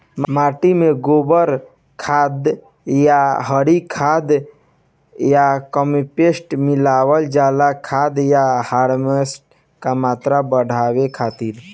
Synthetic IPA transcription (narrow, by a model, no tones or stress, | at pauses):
mmaʈimeɡobəɾ | kʰad̪ | jaɦəɾikʰad̪ | jakəmipesʈmilaːwəld͡ʒalakʰad̪jahaːɾmesʈ̚ | kamaːt̪ɾabəɽ̤ʱawekʰaːt̪iɾ